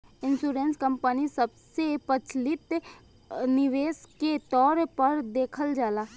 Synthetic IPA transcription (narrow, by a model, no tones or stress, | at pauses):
ɪnsuːɾẽːnskə̃mpənisəbsepət͡ʃlɪt̪ | nɪʋeːsket̪ɔːɾpəɾd̪eːkʰəld͡ʒaːlaː